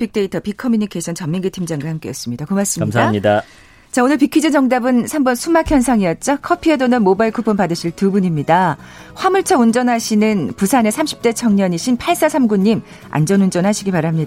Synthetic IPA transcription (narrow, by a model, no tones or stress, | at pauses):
pik̚t͈e̞itʰʌpikʰʌmjuɲikʰesʰʌnt͡ɕʌmːiŋɡitʰimd͡ʑaŋɡahamk͈e̞jʌs͈ɯmɲidakomas͈ɯmimsaɲida | t͡ɕaonɯɭpikʰid͡ʑid͡ʑʌŋdabɯnsʰambʌnsʰumakʰjʌnsʰaŋijʌt̚t͡ɕ͈ʌkʰʌpʰiedonɯnmobaiɭkʰupʰɯmpadɯɕʰiɭtubuɲimɲidaɸwamuɭt͡ɕʰʌund͡ʑʌnɦaɕʰinɯnpusʰane̞sʰamɕʰi̥p̚t͈e̞t͡ɕʰʌŋɲʌɲiɕʰinpʰaɭs͈asʰamɡuɲːim | a̰nd͡ʑʌnund͡ʑʌnɦaɕʰiɡipaɾamɲia